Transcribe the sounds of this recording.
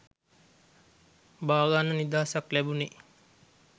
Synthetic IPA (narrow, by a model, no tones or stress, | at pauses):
baːɡanənid̪aːsaklæbune